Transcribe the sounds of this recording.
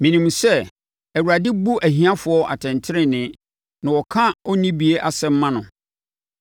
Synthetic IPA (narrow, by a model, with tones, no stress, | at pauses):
mĩ˨nĩ˨m˨sɛ˦ | æ˨wu˨ɾa˨dɪ˦bu˦ʔæ˨ɦĩ˦ã˦fʊ˨˦ɔ˦ʔa̰˨tʰɛ̃˨ntʰɪ˦ɾɪ̃˦nɪ̃˨ | nã˨wɔ˨kʰã˦ɔ˦nĩ˦bi˨e˦ʔa˨sɛ˦m̩˦mã˦nʊ̃˨